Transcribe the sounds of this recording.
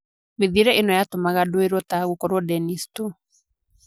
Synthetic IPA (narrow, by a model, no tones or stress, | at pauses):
meðiɾɛʔenɔjatomaɣadoeɾɔtaɣukɔɾwɔdɛnistu